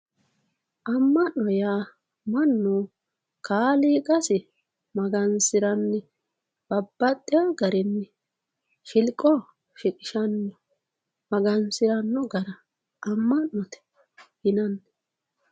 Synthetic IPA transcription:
ʔɐmːɐnːɔjaː | mɐnːu | kʰaːliːkʼɐsɪ | mɐɡɐnsɪɾɐnːɪ | b̥ɐbːɐt̪ʼːɪjaɡɐɾɛnːɪ | ʃɪlkʼːɔ | ʃɪkʼɪ̥ʃɐnːɔ | mɐɡɐnsɪɾɐnːɔɡɐɾɐ | ʔːmːɐnːɔt̪ɛ̥ | hɪnɐnː

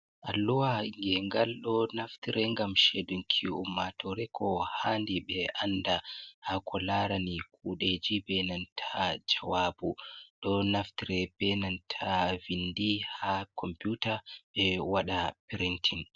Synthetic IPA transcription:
ʔalːuwaŋɡɛŋɡalɗɔnaftiɾɛŋɡamʃedunkʰiuumːatʰɔɾɛkʰɔhaːndiɓɛʔandahakʰɔlaɾanikʰuɗed͡ʒibɛnantʰad͡ʒawaːbuɗɔnaftiɾɛb̥ɛnantʰavindihakʰɔmputaɓɛwaɗapiɾintʰin

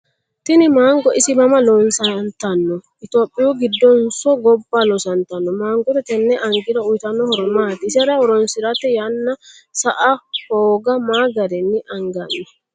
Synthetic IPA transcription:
t̪ɪnɪmaːŋɡɔʔɪsɪmɐmɐlɔnsɐnt̪ɐnːɔʔɪt̪oːpʼːɪjuːɡɪd̪ːɔnsɔɡɔbːaːlɔsɐnt̪ɐnːɔmaːŋɡɔt̪ɛt̪ɛnːɛʔɐŋɡɪɾɐʊjt̪ɐnːɔhɔɾmaːt̪ɪɪsɛɾɐhɔɾɔnsɪɾɐt̪ːɛjɐnːɐsɐʔɐhoːɡɐmaːɡɐdɛnːɪʔɐŋɡɐnːɛ

